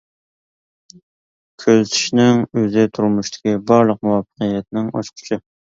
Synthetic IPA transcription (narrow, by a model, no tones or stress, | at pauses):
kʲʰøzt̪ʰi̥ʃnɪŋøzɪt̪ʰuɾmuʃt̪ʰɪ̥kʲibɑɾlˠəq̚muwɑfə̥qijɛt̪̚nɪŋɑʃqʰʊ̥t͡ʃʰɪ